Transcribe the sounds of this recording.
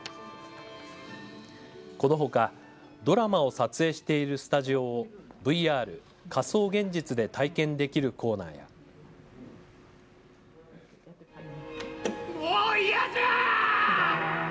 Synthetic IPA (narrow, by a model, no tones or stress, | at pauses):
ko̞no̞ɦo̞ka | d̪o̞ɾamao̞sat͡sɨe̞ːɕi̥t̪e̞iɾɯ̟sɨ̥t̪aʑio̞bɯ̟iaːɾɯ̟ | kaso̞ːɡẽ̞ɲ̟d͡ʑit͡sɨd̪e̞t̪aikẽ̞nd̪e̞kʲiɾɯ̟kʰo̞ːna̰ːja̰ | ojɛ